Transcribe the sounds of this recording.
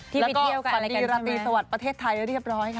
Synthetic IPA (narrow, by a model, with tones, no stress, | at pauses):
lɛ˦˥kɔː˥˩˧a˩˧˦diː˧ɾa˦˥t̪ːiː˧sa˧wa˨˩t̪̚pɾa˧t̪ʰeː˥˩t̪ʰːa˧jɾi˥˩əp̚ɾɔː˦˥nha˥˩jkʰa˥